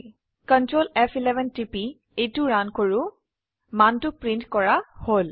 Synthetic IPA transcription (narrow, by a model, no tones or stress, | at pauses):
kəntɹolɛfʰilɛbʱɛntipi | ejtʊɹankoɹʊ | mantʊpɹintkɔɹahol